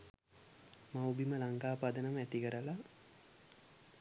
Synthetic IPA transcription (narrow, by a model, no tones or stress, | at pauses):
mawbiməlaŋkaːpad̪ənəməæt̪ikəɾəla